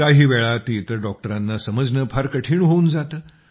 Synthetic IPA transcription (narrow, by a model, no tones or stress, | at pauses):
aɦiːʋɛɭat̪iːt̪əɾɖɔk̚ʈəɾanːasəməd͡znəpʰaɾkəʈʰiːɳɦound͡zat̪əː